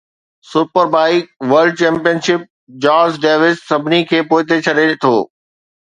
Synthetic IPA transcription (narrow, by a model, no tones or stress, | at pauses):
sʊpəɾbaːiʋɐɾɖ̚t͡ɕɛ̃ːmpijənʃɪp̚ | d͡ʑaːzɖeːʋɪssɐbʱɪnikʰeːpoːɪt̪et͡ɕʰɐɗet̪ʰoː